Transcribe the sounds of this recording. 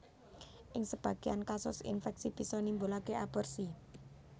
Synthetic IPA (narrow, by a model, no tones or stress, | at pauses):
ʔɪŋsəb̥ä̤ɡ̥eankasʊ̰sḭnfɛk̚sib̥i̤sɔnimbolaɡeʔabɔrsi